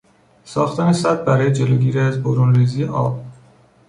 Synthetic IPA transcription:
sɒ̰ːxt̪ʰænesæd̪̚bæɾɒːjed͡ʒe̞loːɡiːɾiæzboɾuːnriːziːjeʔɒ̰ːb̚

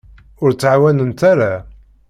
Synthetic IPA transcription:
ʊɾt͡sːʕawænənt̪aɾa

